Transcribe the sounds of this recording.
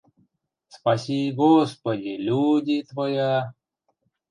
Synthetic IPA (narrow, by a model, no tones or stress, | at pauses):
spɐsʲiɡospədʲilʲudʲit̪vɐja